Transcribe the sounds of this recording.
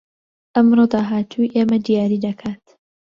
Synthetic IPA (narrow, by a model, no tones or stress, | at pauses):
ʔɐmroːd̪aːɦaːt̪ʰuiʔeːmɐd̪ijaːɾiːd̪ɐkʰaːt̪